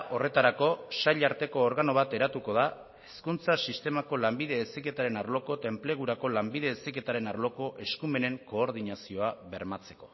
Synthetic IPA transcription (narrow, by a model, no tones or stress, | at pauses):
o̞re̞t̪aɾako̞saʎaɾt̪e̞ko̞ːɾɣano̞β̞at̪e̞ɾat̪uko̞ð̞a | eskunt͡sasist̪e̞mako̞lambiðe̞ːsike̞t̪aɾe̞naɾlo̞ko̞t̪e̞mple̞ɣ̞uɾako̞lambiðe̞ːsike̞t̪aɾe̞naɾlo̞ko̞ʔe̞skume̞ne̞ŋko̞ːɾð̞inasio̞aβe̞ɾmat͡se̞̥ko̞